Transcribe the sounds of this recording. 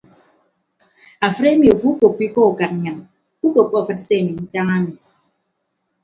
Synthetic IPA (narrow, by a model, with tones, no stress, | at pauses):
a˨fɨ˦ɾe˦mi˨o˨fu˦u˦ko˨k͡pi˦kɔ˦u˨ka˨t̚ɲɨ˨n | u˦ko˨kɔ˦˨fɨ˨tse˦˨mi˨n̩˦ta˦ŋa˦mi˨